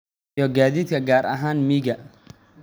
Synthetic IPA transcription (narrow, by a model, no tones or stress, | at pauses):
ɔɡaːðiːd̪kʰɐɡaːrɐ̰ɦaːnmiɡɐ